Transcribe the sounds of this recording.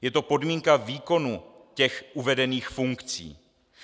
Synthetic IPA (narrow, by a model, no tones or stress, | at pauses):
jɛt̪o̞po̞dmiːŋkaviːko̞nucɛxʔuvɛdɛniːxfuŋkt͡sḭː